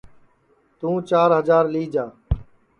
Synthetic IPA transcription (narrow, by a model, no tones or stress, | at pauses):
t̪ũːt͡ʃaːɾɦəzaːɾliːd͡ʒaː